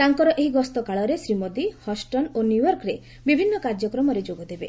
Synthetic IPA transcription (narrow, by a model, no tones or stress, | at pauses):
t̪aŋkɔɾɔʔeɦiɡɔst̪ɔkaɭɔɾesɾimod̪ihɔsʈɔnonjujɔɾkɾe | bibʱinːɔkaɾd͡ʒjɔkɾɔmɔɾed͡ʒoɡɔd̪ebe